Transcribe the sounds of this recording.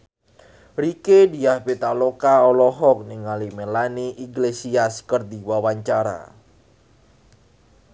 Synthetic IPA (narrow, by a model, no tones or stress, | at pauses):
ɾikediahpet̪alokaɔlɔɦɔk̚niŋalimelaniʔiɡlesiaskərd̪iwawaɲt͡ʃaɾa̰